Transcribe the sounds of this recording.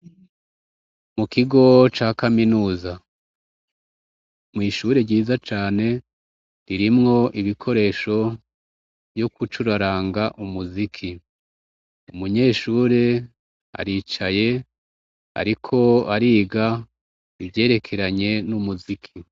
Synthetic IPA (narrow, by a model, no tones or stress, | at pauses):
mukiɡo̞t͡ʃaːkaminuːza | mŋiːʃuːɾe̞ɾɟiːzat͡ʃaːne̞ | ɾiɾimŋo̞ʔiβikʰo̞ɾe̞ːʃo̞ | bjokut͡ʃuɾaɾaːŋɡaʔumuzikʰi | umuɲe̞ːʃuːɾe̞ | a̰ɾiːt͡ʃaje̞ | a̰ɾikʰo̞aɾiːɡa | ivje̞ːɾe̞kʰe̞ɾaɲe̞numuzikʰi